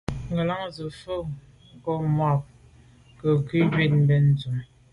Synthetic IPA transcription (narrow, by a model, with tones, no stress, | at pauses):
ŋɡə˨la˦ŋzə˨fə˦˨˦ | kɔ˦ma˦˨p̚ | kə˨ɡi˦d͡ʒɥe˦˨t̚m̩˦bɛ˨n̩˨zu˨m